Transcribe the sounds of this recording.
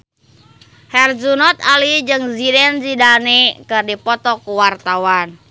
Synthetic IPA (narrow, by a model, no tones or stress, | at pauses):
hɛrd͡ʒunɔt̪alid͡ʒɨŋzidɛnzidanɛkɨrdipɔt̪ɔkuwart̪awan